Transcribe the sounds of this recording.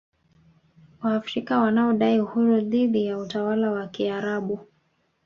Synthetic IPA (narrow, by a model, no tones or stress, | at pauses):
waːfɾikawanaɔɗaiuhuɾuðiɗijautawalawakiaɾaɓu